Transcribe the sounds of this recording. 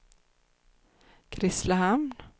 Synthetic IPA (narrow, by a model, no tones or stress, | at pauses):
kʰɾɪslahamn